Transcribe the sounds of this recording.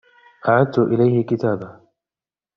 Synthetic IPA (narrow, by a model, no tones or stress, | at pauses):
ʔaʕad̪t̪ʊʔɪlajhɪkɪt̪aːba